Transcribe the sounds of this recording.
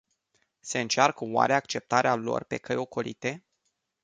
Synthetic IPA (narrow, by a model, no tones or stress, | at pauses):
se̞ɨnt͡ʃarkəwa̰ɾeakt͡ʃe̞p̚t̪aɾealo̞̰rpe̞kəjo̞ko̞lḭt̪e̞